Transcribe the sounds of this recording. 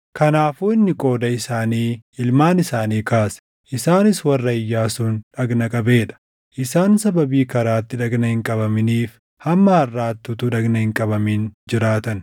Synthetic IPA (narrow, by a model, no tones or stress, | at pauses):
kɐnaːfuːɪnːɪkʼo̞ːd̪ɐɪsaːniːɪlmaːnɪsaːniːkaːsɛ̥ | ʔɪsaːnɪswɐrːɐɪjːaːsuːnᶑɐɡnɐkʼɐbe̞ːᶑɐ̥ | ʔɪsaːnsɐbɐbiːkɐɾaːt̪ːɪᶑɐɡnɐhɪŋkʼɐbɐmɪniːf | hɐmːɐhɐrːaːt̪ːut̪ʊᶑɐɡnɐhɪŋkʼɐbɐmiːnd͡ʒɪɾaːt̪ɐn